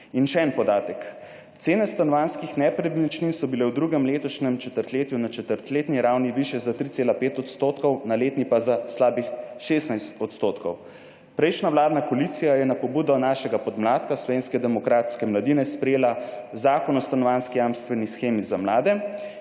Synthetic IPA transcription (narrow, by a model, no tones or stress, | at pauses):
inʃɛɛnpɔd̪aːt̪ək | t̪seːnɛst̪anɔʋanskixnɛpɾɛbit͡ʃnixsɔbilɛwd̪ɾuːɡɛmleːt̪ɔʃnɛmt͡ʃɛt̪əɾt̪leːt̪junat͡ʃɛt̪əɾt̪leːt̪niɾaːwniʋiʃjɛzat̪ɾit̪seːlapeːt̪ɔt̪st̪oːt̪kɔwnaleːt̪nipazaslaːbixʃeːst̪najst̪ɔt̪st̪oːt̪kɔw | pɾɛjʃnaʋlaːd̪nakɔliːt̪sijajɛnapɔbuːd̪ɔnaːʃɛɡapɔd̪mlaːt̪kaslɔʋeːnskɛd̪ɛmɔkɾaːt̪skɛmlad̪inɛspɾɛjeːla | zaːkɔnɔst̪anɔʋanskijamst̪ʋɛnisxeːmizamlaːd̪ɛ